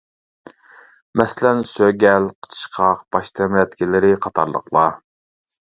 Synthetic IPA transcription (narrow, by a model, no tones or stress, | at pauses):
mɛsɪlɛnsøɡʲɛlqʰə̥t͡ʃʰə̥ʃqʰɑqb̥ɑʃt̪ʰɛmɾɛt̪kʲilɪɾɪqʰɑt̪ʰɑ̰ɾlˠə̰qlˠɑ